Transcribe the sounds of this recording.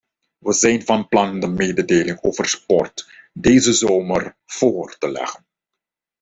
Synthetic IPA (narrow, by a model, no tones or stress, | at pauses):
ʋəzɛjnvɑnplɑndəmeːdədeːlɪŋoːvərspɔrtdeːjzəzoːmər | v̥oːrtəlɛ̰χən